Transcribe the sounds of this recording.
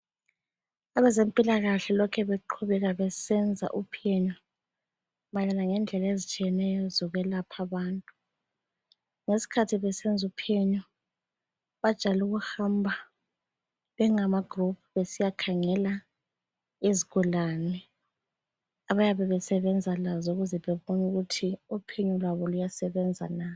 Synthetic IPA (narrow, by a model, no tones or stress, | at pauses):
aβɛzempʼilaɣaɬɛlɔkʰɛβeǃʰuβɛɣaβɛsɛnd͡zʱa̰ʔupʰiɛɲɔ | maɣɛlaŋɛnd͡ɮʱɛlaezit͡ʃʼijɛnɛjɔzɔɣwɛlapʰaβaːntʼu | ŋesi̥kʰatʰiβɛsɛnd͡zʱupʰiɛɲɔ | βad̥ʒ̥ʼʱaluɣuhambʱa | ɛŋamaɡ̥ʱrup̚ʰuβesijakʰaŋɛla | eziɣɔlanɛ | aβajaβɛβɛsɛβɛnd͡zʱalazɔuɣuzɛβɛβonuɣutʰiupʰɛɲɔlwaβɔlujasɛβɛnd͡zʱa̰na